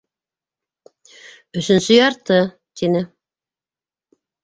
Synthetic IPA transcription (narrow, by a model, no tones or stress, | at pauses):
ɵ̆ʃɵ̆nsɵjɑɾt̪ɤ | t̪inɘ